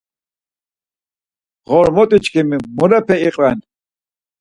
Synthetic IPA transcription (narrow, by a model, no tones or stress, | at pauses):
ʁɔɾmɔt̪ʼit͡ʃʼkʰimimuɾɛpʰɛiqʼvɛn